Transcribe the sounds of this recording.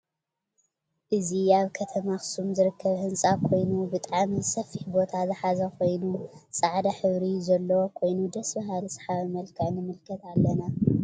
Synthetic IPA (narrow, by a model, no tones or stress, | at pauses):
ʔɨziaβkʰɐt̪ʰɐmaxɨ̥sumzɨɾɨkːɐβhɨnsʼakʰo̞jnubɨt̪ʼaʕmizsɐfːiħbo̞t̪ʰazɨħazɐkʰo̞jnusʼaʕd̪aħɨβɾizɐlːɐwokʰo̞jnud̪ɐsbɐɦalsħaβmɐlkʰɨʕnɨmɨlkʰɐt̪alːɐna